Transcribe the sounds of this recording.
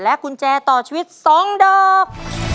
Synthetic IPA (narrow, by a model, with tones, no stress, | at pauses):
lɛ˦˥ku˧nt͡ɕɛː˧t̪ɔː˨˩t͡ɕʰwi˦˥t̪̚sɔ˦˥ŋɗɔː˧k̚